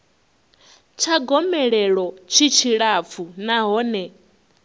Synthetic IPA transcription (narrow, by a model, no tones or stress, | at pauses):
t͡ʃʰaɡɔmɛɺɛɺɔt͡ʃʰit͡ʃʰiɺap̪funaɦɔːnɛ